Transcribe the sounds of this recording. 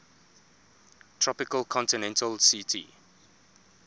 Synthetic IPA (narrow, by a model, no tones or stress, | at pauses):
tʰɹɔpɪkəlkʰɔ̃ntinɛ̃ntəlsitʰḭ